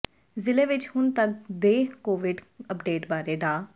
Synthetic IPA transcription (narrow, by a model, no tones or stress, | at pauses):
zɪleːʋɪt͡ʃhʊnt̪ək̚d̪eːkoːʋɪɖəpɖeːʈbaːɾeːɖaː